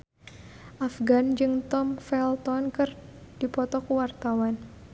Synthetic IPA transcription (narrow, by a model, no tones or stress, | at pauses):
ʔafɡand͡ʒɨŋt̪ɔmfɛlt̪ɔnkɨrd̥ipɔt̪ɔkuwart̪awan